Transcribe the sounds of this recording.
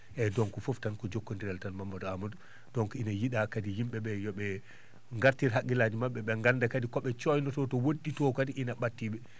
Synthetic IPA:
ʔɛdɔŋkɔfoftankɔd͡ʒokːondiɾɛltanmamːadɔamɔdɔ | dɔŋkinajiɗakadijimɓɛbɛjɔɓɛ | ŋɡaɾtiɾhakːilad͡ʒimaɓːɛɓɛŋɡandakadikɔɓɛt͡ʃɔjnɔtɔtɔwoɗdːitɔkadiʔinaɓatːiɓɛ

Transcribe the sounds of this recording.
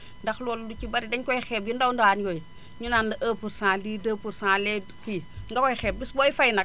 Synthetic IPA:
ndɐxlɔːldut͡ʃibɐɾidɛɲkɔjxɛːp̚jundawnduhanjoj | ɲunandɐʔəːpuɾsãːliːdəːpuɾsãːlɛdkiŋɡɐkɔjxɛːp̚bisboifɐjnɐk̚

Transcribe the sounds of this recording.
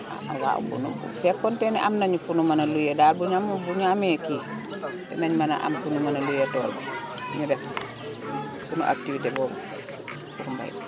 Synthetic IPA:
a̰awa̰bṵnṵb̰fɛkːɔntɛnɛʔamnaɲufunumanɐlujɛdaːlbuɲamubuɲamɛki | bɛ̰naɲmana̰ʔa̰mfunumanalujɛtɔ̰ːlbɛ | ɲudɛf | sunṵʔa̰k̚tifitɛbɔːm | fuɾumba̰j

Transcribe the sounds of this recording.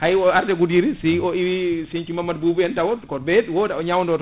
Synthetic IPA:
hajɔaɾtɛɡudiɾisiɔiwisint͡ʃimamːadbubɛntawɔkɔbɛdwɔdaɔɲawndɔt

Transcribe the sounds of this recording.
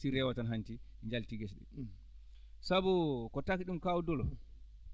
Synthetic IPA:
siɾɛwatanɦanti | ɲd͡ʒaltiɡɛsɗɛ̰ | sabukɔtakiɗumkawudɔlɔ

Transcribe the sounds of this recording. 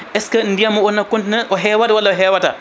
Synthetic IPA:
ʔɛskɐndijamɔɔnːakɔntnaʔɔɦɛwatawalːaɔɦɛːwata̰

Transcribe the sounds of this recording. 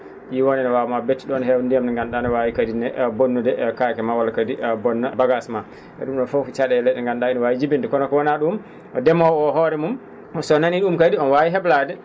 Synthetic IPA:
jiwɔnɛnɛwamabetːiɗnhɛwndijamnɛŋɡanɗanɛwawikadinɛbonːudɛkakɛmawalkadibɔnːabaɡasma | ʔɛ̰ɗumɗɔnfowfit͡ʃaɗɛɛlɛɗɛŋɡanɗainwawid͡ʒibindɛkɔnɔkɔwɔnaɗum | ʔɔdɛmɔwɔɦɔɾɛmum | sɔnaniɗumkadiɔnwawiɦɛbladɛ

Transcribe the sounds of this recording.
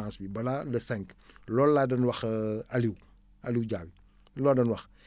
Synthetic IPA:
ãːsbibɐlalɐsɛŋklɔːlːaːdɐnwɐxɐliw | ɐliwɟaːbi | lɔːdɐnwɐx

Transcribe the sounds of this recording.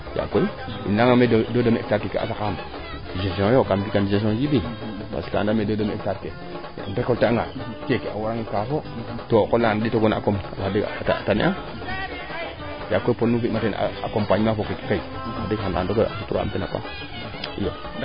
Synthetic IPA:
ja̰koi | ḭnaŋamedodomḛk̚taɾkekḛʔa̰sakaam | ʒesõjokambikanʒes̬õd͡ʒibi | pa̰ska̰ndamedodomek̚taɾkḛ | pekolteaŋɡa̰ | kekea̰waɾaŋikafo | tokoladitoɡona̰komadita̰tanḭʔa | jakoiponufimaten̰a̰kompaɲmafokeki̥kai | adikhaa̰ndoasutuɾ̰a̰mpina̰pa̰ | ijo

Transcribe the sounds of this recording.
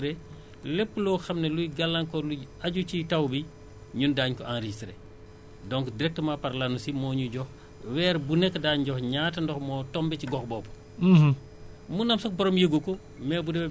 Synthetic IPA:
ɾe | lepːlɔxɐmnelujɡalːaŋkɔluaɟut͡ʃitawbi | ɲundaːɲkɔʔanɾiistɾḛ | dɔŋkdiɾɛk̚təmapɐɾlanusimɔːɲuɟɔx | wɛːɾbunɛkːdaːɲɟɔxɲaːtɐndɔxmɔːtɔmbɛciɡɔxbɔːbu̥ | munɐmsɐk̚bɔɾɔmjəɡukɔ | mɛːbudɛɛ

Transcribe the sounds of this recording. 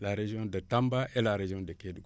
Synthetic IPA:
laɾeʒijɔ̃dətambaʔelaɾeʒiɔ̃dəkedɡ

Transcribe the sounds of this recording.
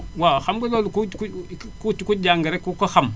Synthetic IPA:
waxamɡelolkukukut͡ʃikud͡ʒaŋɡeɾekukaxam

